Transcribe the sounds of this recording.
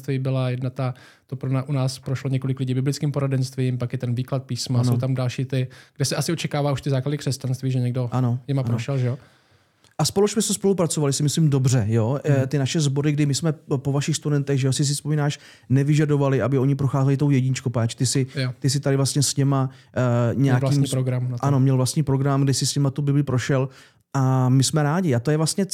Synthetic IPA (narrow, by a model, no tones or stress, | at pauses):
t̪viːbɪlajɛdnat̪a | t̪opɾonaʔunaːspɾoʃloɲɛkolɪklɪɟibɪblɪt͡skiːmpoɾadɛnst̪viːmpakjɛt̪ɛnviːklat̪̚piːsmasnowt̪amdalʃiːt̪ɪɡ̥dɛsɛʔasɪot͡ʃɛkaːvaːuʃt̪ɪzaːkladɪkr̥ɛscanst̪viːʒɛɲɛɡdo̞ʔano̞jɛmappɾoʃɛlʒɛjo | ʔaspo̞losmɛst̪ospo̞lupɾat͡so̞valɪsɪmɪslimdo̞br̝ɛjo̞t̪ɪnaʃɛzbo̞ɾɪɡdɪmɪsmɛpo̞vaʃɪxst̪udɛnt̪ɛɣʒɛjosɪs̬ɪspomiːnaːʃ | nɛvɪʒado̞valɪʔabɪo̞ɲɪpɾoxaːzɛlɪt̪owjɛɟɪɲɪt͡ʃkopaːt͡ʃt̪ɪsɪt̪ɪs̬ɪt̪adɪvlast̪ɲɛsɲɛma | ɲɛjaliɲpɾoɡɾamnaano̞mɲɛlvlast̪ɲiːpɾo̞ɡɾamɡdɪsɪsɲɛmat̪ubɪblɪpɾoʃɛl | ʔamɪsmɛɾaːɟɪat̪o̞jɛvlast̪ɲɛ